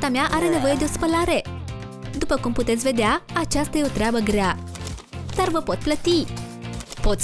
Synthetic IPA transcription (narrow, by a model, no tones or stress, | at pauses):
t̪amjaʔaɾenəʋəjd̪jospəlaɾe | d̪upəkumput̪et͡sʋed̪jaat͡ɕast̪eut̪ɾjabəɡɾja | t̪əɾʋəpɔt̪̚plət̪i | pɔt͡s